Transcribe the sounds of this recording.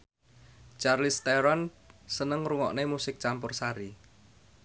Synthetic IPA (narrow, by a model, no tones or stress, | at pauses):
t͡ʃarlɪst̪ɛɾɔn | sənəŋruŋɔ̰ʔnemusɪk̚t͡ʃampʊrsaɾi